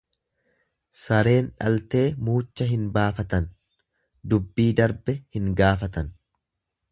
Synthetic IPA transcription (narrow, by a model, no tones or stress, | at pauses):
sɐɾe̞ːnᶑɐ̰lt̪e̞ːmuːt͡ʃːɐɦɪnbaːfɐt̪ɐn | d̪ʊbːiːd̪ɐɾbɛhɪŋɡaːfɐt̪ɐn